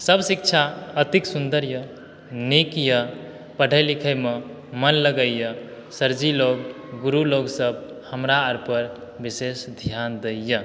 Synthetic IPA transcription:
səbsik̚t͡ʃʰaət̪iksund̪əɾjə | nikjə | pəɽ̤ʱəjlikʰəjme | mənləɡəjə | səɾd͡ʒiloɡ | ɡuɾuloɡsəb | həmɾaːɾpəɾ | bisesd̪ʱjand̪əjə

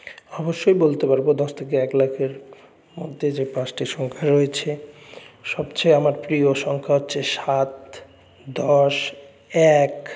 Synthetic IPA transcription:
ɔboʃːojbolt̪epaɾbod̪ɔʃt̪ʰek̬eɛklakʰeɾ | mo̰d̪ʱːed͡ʑepãsʈiʃɔŋkʰaɾoet͡ɕʰe | ʃɔbt͡ɕʰeamaɾpɾioʃɔŋkʰaɦotːɕʰeʃat̪ | d̪ɔʃ | ɛk

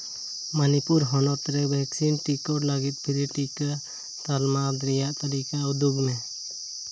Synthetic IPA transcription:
manipuɾɦɔnɔt̪ɾɛbʱɛksinʈikɔɾlaɡit̪̚ˀpʰiɾiʈika | t̪almad̪ɾijaʔt̪aɾikaud̪uɡmɛ

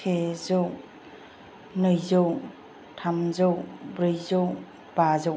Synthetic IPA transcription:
tʰezow | nɯjzow | tʰamzɔwbɾɯjzow | b̥azɔw

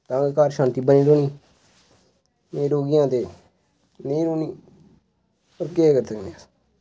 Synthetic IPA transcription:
t̪ãːkekaːɾʃãːnt̪iːbəniːɾoːniː | meːɾoːɡɪjãːt̪eː | neːɾoːniː | pəɾkekəɾsəkneəs

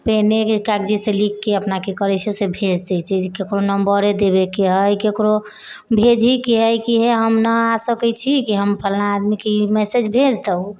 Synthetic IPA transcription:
penekkakd͡ʒiselikːeəpnakekəɾɛt͡ʃʰɛsebʱed͡ʒd̪ɛjt͡ʃʰɛkekɾonəmbəɾed̪eβekeɦəjkekɾo | bʱed͡ʒʱikeɦəjkiɦeɦəmnəasəkɛt͡ʃʰikiɦəmpʰəlnaːd̪mikeimɛsed͡ʒbʱed͡ʒt̪əu

